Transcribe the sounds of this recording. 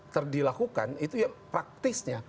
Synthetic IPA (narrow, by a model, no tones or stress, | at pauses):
t̪ərdilakuka̰nit̪ujaŋpɾak̚t̪ɪsɲa